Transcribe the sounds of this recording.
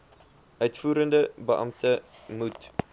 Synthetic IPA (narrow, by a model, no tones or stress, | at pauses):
ʔœɥtfuːɾəndəbəʔɐ̰mtʰə | mut